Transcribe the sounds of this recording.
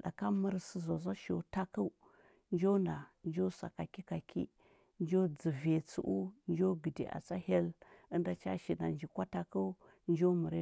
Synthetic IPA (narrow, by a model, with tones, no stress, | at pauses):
ɗa̰˨ka˦mə˦ɾsi˦zo˨za˦ʃo̰˨ta˦ku˦ | nd͡ʒo˦nda˨nd͡ʒo˦sa̰˨ka˨ki˦ka˨kḭ˦ | nd͡ʒo˦d͡zə˨ve˨t͡sṵ˨˦ʔu˦nd͡ʒo˦ɡə˨dḭ˨ʔa̰˨t͡sa˦he˦lə˦nda˨t͡ʃa̰˦ʃi˨na˨nd͡ʒi˨kʷa˦ta˦ku˦ | nd͡ʒo˦mu˨ɾe˦